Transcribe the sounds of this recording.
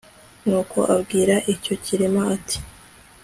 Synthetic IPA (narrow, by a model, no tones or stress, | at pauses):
nuːkʰo̞̰ʔabɡiːɾaʔico̞ciɾimaatʰi̥